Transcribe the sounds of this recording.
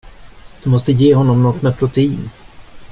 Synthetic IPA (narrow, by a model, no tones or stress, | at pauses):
d̪̥ɵmɔst̪əjeːɦɔnːɔmnɔt̪ːmɛpʰɾʊt̪ʰɛiːn